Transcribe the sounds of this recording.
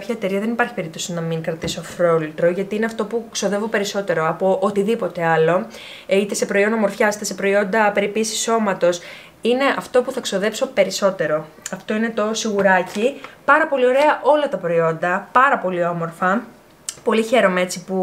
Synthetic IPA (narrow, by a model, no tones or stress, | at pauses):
pçɐet̪e̞ɾiɐðe̞nipɐɾçipe̞ɾip̚t̪o̞sinɐmiŋkɾɐt̪iso̞ɐfɾo̞lit̪ɾo̞ʝɐt̪iine̞ɐft̪o̞pukso̞ðe̞vo̞pe̞ɾiso̞t̪e̞ɾo̞ɐpoʔot̪iðipo̞t̪e̞ɐlo̞ | it̪e̞se̞pɾo̞ind̪ɐmo̞ɾfçɐsi̥t̪esepɾo̞io̞nd̪ɐpe̞ɾipisi̥so̞mɐt̪o̞s | ine̞ʔɐft̪o̞puθɐkso̞ðe̞pso̞pe̞ɾiso̞t̪e̞ɾo̞ | ɐft̪o̞ine̞t̪o̞siɣuɾɐcipɐɾɐpo̞lio̞ɾe̞ɐʔo̞lɐt̪ɐpɾo̞io̞nd̪ɐpɐɾɐpo̞lio̞mo̞ɾfɐ | po̞liçe̞ɾo̞mee̞t͡sipu